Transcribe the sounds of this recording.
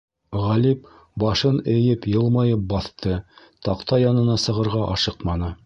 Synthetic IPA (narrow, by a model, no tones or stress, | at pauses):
ʁælip̚ | bɑʃɤnɘ̆jɘpjɤ̆lˠmɑjɤp̚bɑθt̪ɤ | t̪ɑqt̪ɑjɑnɤ̆nɑsɤ̆ʁɤ̆ɾʁɑʔɑʃɤqmɑnɤ